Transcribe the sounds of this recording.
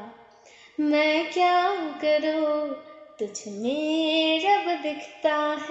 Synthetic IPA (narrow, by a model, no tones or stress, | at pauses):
mɛ̃ːkjaːkɐɾu | t̪ʊt͡ʃʰmeɾɐbd̪ɪkʰt̪aːɦ